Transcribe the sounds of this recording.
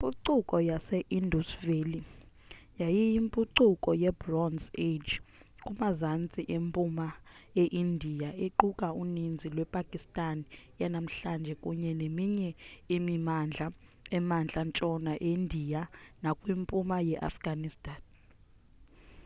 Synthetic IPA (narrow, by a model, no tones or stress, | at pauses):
mpʼuǀukʼɔjasɛʔindʱusveli | jajijimpʼuǀukʼɔjɛbrɔnzed͡ʒkʼumazant͡sʼiʔempʼumaeʔindʱijaeǃukʼaunind͡zʱilwɛpʼakʼistʼanjanam̩ɬand͡ʒʱɛkʼuɲɛnemiɲɛimimand͡ɮʱa | ɛmand͡ɮʱant͡ʃʼɔnaʔendʱijanakʼwimpʼumajɛʔa̰fɡ̥anistʼan